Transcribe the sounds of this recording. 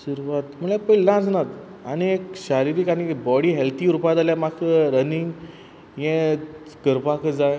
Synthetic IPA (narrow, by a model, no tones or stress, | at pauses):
suɾuʋat̪m̤əlepəjlãd͡znat̪ | añiekɕaɾiɾiːkanibɔɽiːɦɛlt̪iːuɾupat̪aljamakʰəɾəniŋɡ | jẽ | ɡəɾpakʰd͡zaj